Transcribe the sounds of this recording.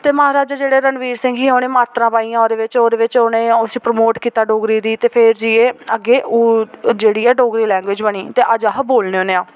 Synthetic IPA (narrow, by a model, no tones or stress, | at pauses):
t̪eːməɦaːɾaːd͡ʒaːd͡ʒeːɽeːɾənʋiːɾsɪ̃ŋɡiːɦoːneːmaːt̪ɾãːpaːiːãːoːɾeːʋɪt͡ʃoːd̪eːʋɪt͡ʃoːneːʊsiːpɾəmoːʈkiːt̪aːɖoːɡɾiːd̪iːt̪eːpʰɪɾd͡ʒiːeːəɡeːʔuːd͡ʒeːɽiːɛːɖoːɡɾiːlɛ̃ːŋɡʋɪːd͡ʒbəɳiːt̪eːʔəd͡ʒaːɦəboːlneːoːneːãː